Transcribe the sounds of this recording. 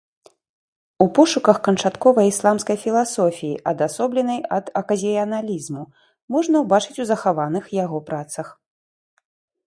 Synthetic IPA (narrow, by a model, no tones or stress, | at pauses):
upɔʂukɐxkɐnt͡ʂat̪kɔvɐjislˠamskɐjfʲilˠasɔfʲijiʔɐd̪asɔblʲɛn̪ɐjɐd̪ɐkɐzʲiɐnalʲizmu | mɔʐnɐwbat͡ʂɨt͡sʲuzɐxavanɨxjaɣɔpɾat̪sɐx